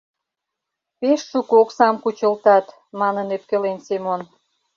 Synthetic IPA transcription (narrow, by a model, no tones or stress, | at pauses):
peʃːukoksɑmkut͡ɕəlt̪ɑt̪ | mɑnənøp̚kelensemon